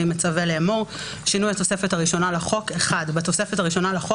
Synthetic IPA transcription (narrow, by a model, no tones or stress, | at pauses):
imet͡saveleːmoʁ | ʃinujat̪o̞sefetaʁiʃo̞naleχo̞keχadbat̪o̞sefetaʁiʃo̞nalaχo